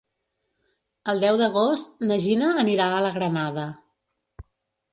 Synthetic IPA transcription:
əlˠd̪ɛwd̪əɣost̪nəʒinəːniɾaələɣɾənaðə

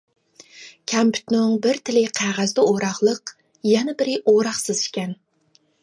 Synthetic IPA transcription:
kʲʰɛmpʰy̥t̪nɪŋbɪɾt̪ʰɪlɪqʰæʁæzd̪ɛoɾɑχlˠəq | jɛnɛbɪɾɪʔoɾɑχsɨzʃkʲɛn

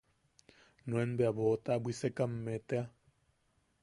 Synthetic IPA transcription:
nw̃enbeaβot̪abʷwisekamːet̪ea

